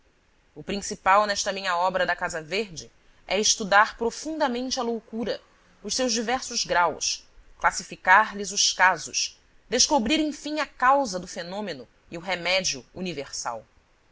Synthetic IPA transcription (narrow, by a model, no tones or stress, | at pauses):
ʊpɾĩsipawnɛʃt̪ɐmĩɲɐɔbɾɐd̪ɐkazɐveɾd͡ʒɪ | ɛɪʃt̪ud̪aɾpɾofũnd̪ɐmẽnt͡ʃɪɐlowkuɾɐ | ʊʃsewʒd͡ʒivɛɾsʊzɡɾawsklasifikaɾlizʊʃkazʊ̰ʃ | d̪̥eʃkobɾiɾẽj̃fĩŋɐkawzɐd̪ʊfenõmenʊ | iʊɦemɛd͡ʒiʊuniveɾsa̰w